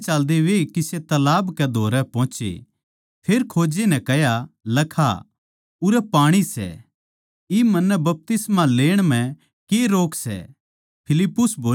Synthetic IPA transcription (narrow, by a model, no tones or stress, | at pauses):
t͡ʃald̪eʋekiset̪ɐlaːbkɛd̪ʱoːɾɛpɔ̃ːt͡ʃḛ | pʰeːɾkʰoːd͡ʒenɛ̃kɛjalɐkʰa̰ | ʊɾɛpaːɽ̃isɛ̰ | imɐ̃nːɛbɐp̚t̪ɪsmaleːɽ̃m̤ɛ̃ | keɾoːksɛ̰ | pʰɪlɪpːʊsboː